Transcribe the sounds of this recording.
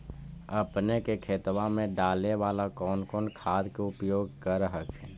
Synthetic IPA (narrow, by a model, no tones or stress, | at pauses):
əpnekekʰeːt̪wamẽɖaːleʋaːlakɔːnkɔːnkʰaːd̪keʊpjoːɡ̚kəɾɦəkɛː